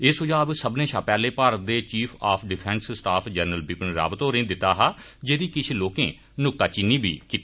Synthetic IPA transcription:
ɪsʊd͡ʒaːəbsəbnẽːʃaːpɛːleːpaːɾət̪̚d̪eːt͡ʃiːpʰaːpʰɖɪpʰɛ̃ːnssʈaːpʰd͡ʒɛːnɾəlbɪpənɾa̰ːbət̪oːɾẽːd̪ɪt̪ːaːɦaː | d͡ʒeːd̪iːkɪt͡ʃʰloːkẽː | nʊk̚t̪aːt͡ʃɪnːiːbʱḭːkit̪i

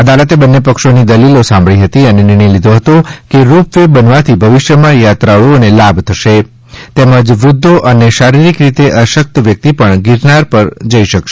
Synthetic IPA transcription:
əd̪alət̪ebənːepəkʃonid̪əlilosãmbʱɭiɦət̪iənenɪ̃əjlid̪ʱoɦət̪okeɾupʋebənʋat̪ʰibʱəʋɪʃjəmãjat̪ɾaɭuonelabt̪ʰəʃe | t̪eməd͡ʒʋɾʊd̪ʱːoʔəneʃaɾiɾikɾit̪eʔəʃək̚t̪ʋjək̚t̪ipəɳɡɪɾnaɾpəɾd͡ʒəiʃəkʃe̥

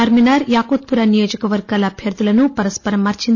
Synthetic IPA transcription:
ɐɾminaːɾjaːkoːt̪̚puɾanijoːd͡ʒɐkɐʋɐɾɡaːlɐːbʱjɐɾd̪ulɐnupɐɾɐspɐɾɐmːɐɾt͡ʃin

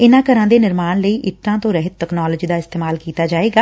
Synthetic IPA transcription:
ɪnãːkəɾãːd̪eːnɪɾmaːnləiːʔɪt̪ːãːt̪õːɾəɦɪt̪ɛknaːləd͡ʒiːd̪aːɪst̪eːmaːlkiːt̪aːd͡ʒaːeːɡaː

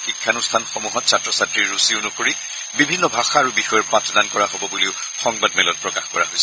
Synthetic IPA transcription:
xikʰːanust̪ʰanxomuɦɔt̚satːɹɔsatɹiɹːusiʊnukoɹi | bibʱinːɔbʱaxaːɹubixɔjɔɹpãtɔdankɔɹaɦobɔbuleʊ | xɔŋbadmɛlɔt̚pɹɔkaxkɔɹa̰ɦojsɛ

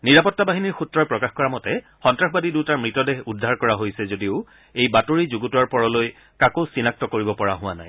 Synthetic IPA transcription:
niɹapɔtːabaɦiniɹxutɹɔjpɹɔkaxkɔɹamɔtɛ | xɔntɹaxbadidutaɹmɹitɔdeɦudʱːaɹkɔɹaɦojsɛzodiʊ | ejbatoɹizuɡutuwaɹpɔɹɔloj | kakosinak̚tɔkoɹibɔpɔɹaɦʊ̃w̃ana̰j

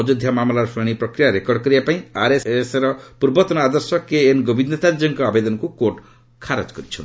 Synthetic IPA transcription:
d͡ʒɔd̪ʱjamamlaɾɔpʰɾeɽ̃ipɾɔkɾijaɾekɔɾɖɔkɔɾibapaĩaɾeseɾɔpuɾbɔt̪ɔnɔad̪ɔɾsɔkeːnɡɔbʱind̪ɔt̪ad͡ʒɔŋkɔabed̪ɔnɔkukoʈ | kʰaɾɔ̰d͡ʒkɔɾit͡ʃʰɔ̰nt̪

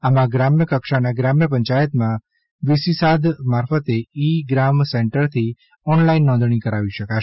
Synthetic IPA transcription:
amãɡɾamjəkəkʃanaɡɾamjəp̬ə̃ɲt͡ʃajət̪mã | ʋɪsisad̪maɾfət̪eiɡɾamsɛ̃ɳʈəɾt̪ʰi | ɔnlainːɔ̃nd̪ʱɳ̃ikəɾaʋiʃəkaʃ

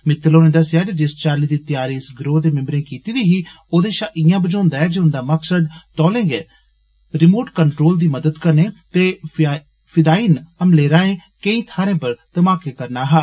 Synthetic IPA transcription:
mɪt̪ːəloːnẽːd̪əsːjaːd͡ʒed͡ʒɪst͡ʃaːliːd̪iːt̪ɪjaːɾiːɪsɡɾoːd̪eːmɪ̃mbɾẽːkiːt̪iːd̪iːɦiː | oːd̪eːʃaːʔɪjãːbəd͡ʒõːnd̪aːɛːd͡ʒeːʊ̃nd̪aːməksəd̪t̪ɔːlẽːɡɛː | ɾɪmoːʈkəɳʈɾoːld̪iːməd̪əd̪kəɾneːt̪eː | pʰɪd̪aːiːnəmleːɾãːẽːkəĩːt̪ʰaːɾẽːpəɾt̪əmaːkeːkəɾnaːɦaː

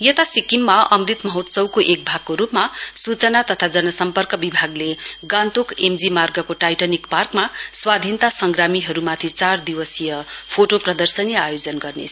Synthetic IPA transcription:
jʌt̪asikimːaʌmrit̪mʌɦʌt̪sʌwkoʔek̚bʱaɡ̚koɾupmasut͡sʌnat̪ʌt̪ʰad͡zʌnʌsʌmpʌrkʌbibʱaɡleɡãnt̪okemd͡zimarɡʌkoʈajʈʌnikparkmaswad̪ʱint̪asʌŋɡramiɦʌɾumat̪ʰit͡sard̪iwʌsijʌpʰoʈoprʌd̪ʌrsʌnijʌajod͡zʌnɡʌrnḛ

